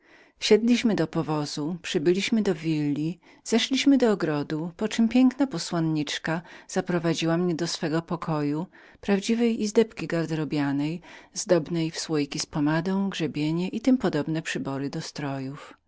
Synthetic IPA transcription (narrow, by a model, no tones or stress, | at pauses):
ɕɛd̪lʲiɕmɘd̪ɔpɔvɔzupʂɘbɘlʲiɕmɘd̪ɔvʲilːi | z̥ɛʂlʲiɕmɘd̪ɔːɡɾɔd̪upɔt͡ʂɘmpʲjɛŋknapɔswɔnɲit͡ʂkaz̥apɾɔvad͡ʑiwamɲɛd̪ɔsfɛɡɔpɔkʰɔju | pɾavd͡ʑivɛjizd̪ɛpkʲiɡaɾd̪ɾɔbʲjanɛjzd̪ɔbnɛjfswɔjkʲispɔmad̪ɔ̃w̃ɡʐɛbʲjeɲɛʔit̪ɘmpɔd̪ɔbnɛpʂɘbɔɾɘd̪ɔst̪ɾɔjuf